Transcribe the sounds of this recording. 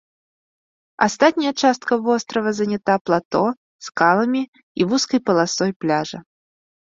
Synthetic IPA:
a̰st̪at̪̚ʲnʲɐjɐt͡ʂast̪̚kɐvɔst̪ɾɐvɐzɐnʲat̪aplˠat̪ɔ | skalˠɐmʲi | ivuskɐjpɐlˠasɔjplʲaʐɐ

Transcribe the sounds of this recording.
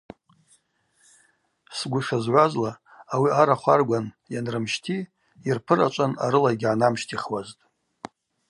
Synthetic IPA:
sɡʷʊʂazʕʷazlaː | wiaɾaχʷarɡʷan | janrɨmʃtʰi | irpʰɨɾat͡ʃʷʼana̰ɾɨlaɡʲʕanamʃtʰiχwaztʼ

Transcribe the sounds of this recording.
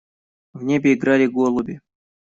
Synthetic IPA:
vnʲebʲɪɪɡɾalʲɪɡolˠʊbʲɪ

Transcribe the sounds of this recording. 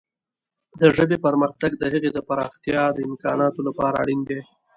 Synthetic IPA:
d̪əʐəbepaɾməxt̪aɡd̪əɦaɣed̪əpaɾɑxt̪jɑd̪əɪmkɑ̰nɑt̪olapɑɾaːɽind̪e

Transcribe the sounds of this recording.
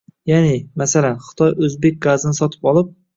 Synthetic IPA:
janɪmasalanχɨ̥t̪ʰɒjɵzbek̚ʲɡazɪnɪsɒt̪ʰɪ̥pɒlˠɪp̚

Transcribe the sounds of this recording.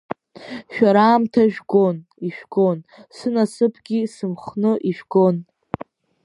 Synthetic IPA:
ʃᶣaɾaːmtʰaʒᶣɡo̞niʃᶣɡ̥onsɨnasɨpʰɡʲisɨmχnɨʔiʒᶣɡon

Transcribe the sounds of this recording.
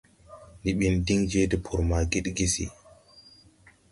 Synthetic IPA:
niɓindiŋd͡ʒeːdɛpʰuɾmaːɡiɗɡisḭ

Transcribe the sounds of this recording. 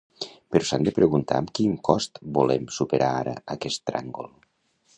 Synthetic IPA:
pəɾɔsand̪əpɾəɣunt̪a̰əmkiŋkɔst̪bulɛmsupəɾʔaaɾə̰əkɛst̪ːɾa̰ŋɡolˠ

